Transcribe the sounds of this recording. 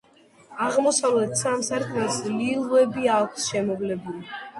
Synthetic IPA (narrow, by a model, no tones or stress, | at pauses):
aʁmɔsavlɛt̪ʰsamsaɾkʼmɛsdlilˠuɛbiakʷʰsʃɛmɔvlɛbuli